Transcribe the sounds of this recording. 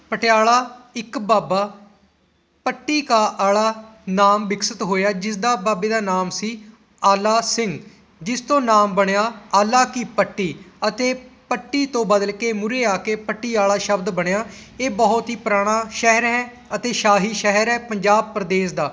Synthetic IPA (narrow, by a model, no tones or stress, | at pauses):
pəʈɪaːlaːɪkbaːbaː | pəʈːiːkaːʔaːɭaːnaːmbɪksət̪ɦoːjaːd͡ʒɪsd̪aːbaːbeːd̪aːnaːmsiː | aːlaːsɪŋɡ | d͡ʒɪst̪õːnaːmbəɽjaːaːlaːkiːpəʈːiːət̪eːpəʈːiːt̪õːbəd̪əlkeːmʊɾeːaːkeːpəʈːiːaːɭaːʃəbd̪bəɽ̃jaː | eːbɔːʊt̪ɦiːpɾaːɽ̃aːʃɛɦəɾɦɛː | ət̪eːʃaːɦiːʃɛɦəɾɛːpəɲd͡ʒaːb̚pɾəd̪eːsd̪aː